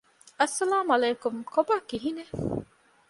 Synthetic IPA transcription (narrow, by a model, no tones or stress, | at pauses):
ɐsːɐlaːmɐleːkʊmkobakːiɦine